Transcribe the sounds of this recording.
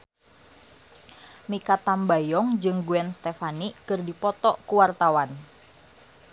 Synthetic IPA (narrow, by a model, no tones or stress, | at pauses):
mikat̪ambajɔŋd͡ʒɨŋɡuɛnst̪efanikɨrdipɔt̪ɔʔkuwart̪awan